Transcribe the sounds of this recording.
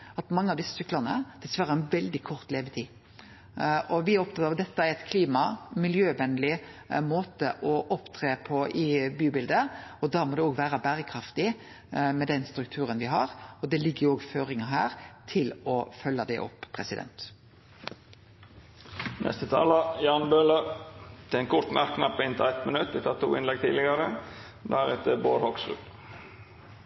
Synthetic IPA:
ɑt̪mɑŋːəɑʋd̪ɪsːəsʏklɑnəd̪̥ɛsʋæɾəɛnʋɛld̪ɪkʰɔʁt̪leːʋət̪ʰiː | ʔɔʋɪæɾɔpt̪ʰɑt̪ɑɑd̪ɛt̪ːəæɾæɪt̪kʰliːmɑmɪljøːʋɛnlɪmoːt̪əʔɔʔɔpt̪ʰɾeːpʰɔʔɪbyːbɪld̪əɔd̪ɑːmɔːd̪ɛoːɡʋæːɾɑbæːɾəkʰɾɑft̪ɪ | mɛd̪ɛnst̪ɾʉk̚t̪ʰʉːɾənʋɪɦɑɾɔd̪ɛlɪɡːəjʊoːɡføːɾɪŋɑɦæːʁt̪ʰɪlɔfœlːɑd̪ɛʔɔ̰pːʰɾɛsɪd̪ɛ̰nt̪ | nʔɛ̰st̪ət̪ʰɑ̰ːlɑjɑːnbøːlət̪ʰɪɛnkʰʊɾt̪mʔæɾkʰːnɑpːɪnt̪ʰɪɛt̪mənʉt̪ːʋɪt̪ʰɑːtt̪ʰːṵːɪnlɛɡ̚t̪ʰiːdlɪɡɑɾə | d̪æɾɛt̪əboːɾhɔksɾʉ̰p

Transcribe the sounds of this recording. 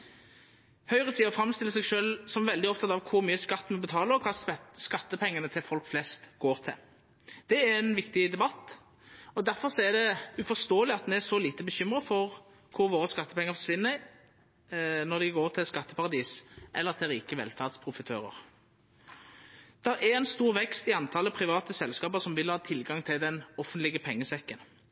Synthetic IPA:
hœʏʁəsiːɔfɾɑmːst̪ɪlːəs̬ɛɡʃøːlsɔmʋɛld̪ɪɔpt̪ʰɑt̪ɑʋkʰʊɾmyːəskɑt̪ːəmɛbət̪ʰɑːləɔkʰɑːsskɑt̪ːəpʰɛŋːənət̪ʰɪlfɔlkflɛst̪ɡ̥oːɾt̪ʰɪ̰l | d̪̥ɛæɾɛnʋɪkt̪ɪd̪ɛbɑt̪ː | ɔd̪æɾfɔʁsɔæd̪ɛʉfɔʁst̪oːəlɪɑt̪nɛæsɔliːt̪əbəɕʏmʁəfɔʁ | kʰʊɾʋoːɾəskɑt̪ːəpɛŋːəɾfɔʂʋɪnːə | nɔd̪ɛɡoːɾt̪ʰɪlskɑt̪ːəpɑʁɑd̪iːsʔɛ̰lːəɾt̪ʰɪlʁiːkəʋɛ̰lfæʁd̪spʰɾʊfət̪ʰøːɾə̰ʁ | d̪̥ɛʔɛɛnst̪uːʁʋɛkst̪ɪɑnt̪ʰɑːləpʰɾɪʋɑːt̪əsɛlskɑːpəʁsɔmʋɪlhɑːt̪ʰɪlɡɑŋt̪ʰɪld̪ɛnɔfənt̪lɪɡəpʰɛŋːəsɛkːən

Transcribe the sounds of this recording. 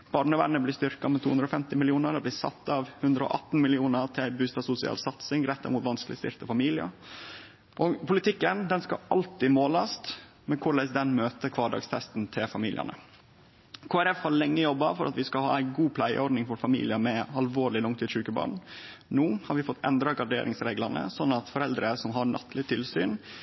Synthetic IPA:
b̥ɑɾɳəʋæ̰ɳəblɪst̪ʏɾkɑmɛt̪ʰuːʉnd̪ɾɔːfɛmt̪ɪmɪlɪuːnəɾɔblɪsɑ̰t̪ːɑʋhʉnd̪ɾəɔ̰ːʔɑt̪n̩mɪlɪuːnəɾʈ̪ʰɪɪbʉːst̪ɑsʊsɪɑ̰ːlsɑt̪sɪŋɾɛt̪ːæɪmuːt̪ʋɑnsklɪst̪ɪ̰ɾt̪əfɑmiːlɪə̰ | ʔɔpʊlɪt̪ʰɪkːənd̪ɛnskɑ̰ʔɑlt̪ɪmoːlɑst̪ | mɛkʰʊɭæsd̪ɛnmøːt̪əkʰʋɑːɖɑ̰ːɡst̪ʰɛst̪n̩t̪ʰɪlfɑmiːlɪ̰ə̰nə̰ | kʰoːæɾɛfhɑɭɛŋːəjɔbːɑfɔɾʔɑ̰t̪ʋɪskɑhɑ̰ːæɪɡuːpʰlæɪə̰ɔɖnɪŋfɔɾfɑmḭːlɪəmɛɑlʋoːɭɪlɔŋt̪ʰiːd̪ʂʉːkəbɑ̰ːɳnuːhɑɾʋɪfɔt̪ːɛ̰nd̪ɾɑɡɑɖḛːɾɪŋsɾeːɡlɑnə̰sɔnːɑt̪fɔɾɛld̪ɾəsɔmɦɑɾɳʔɑ̰t̪ʰlɪt̪ʰɪlsyːn

